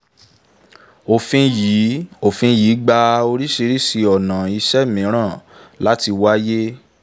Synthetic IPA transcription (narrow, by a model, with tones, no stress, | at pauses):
o˨fĩ˧ji˨˦o˨fĩ˧ji˨˦ɡ͡ba˧o˧ɾi˦ʃi˧ɾi˦si˧ɔ˨nã˨i˧ʃɛ˦mĩ˨˦ɾ̃ã˦˨la˦ti˧wa˦je˦